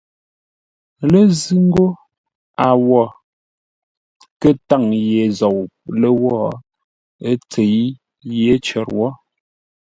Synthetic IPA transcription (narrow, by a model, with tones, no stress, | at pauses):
le˦zi˦ŋ˦ɡo˦ | a˨wɔ˦˨ | kə˦˨ta˦˨ŋje˨zɔ˨wlə˦wɔ˦˨ | e˦t͡se˨j | je˨˦t͡ʃɔ˨ɾwɔ˦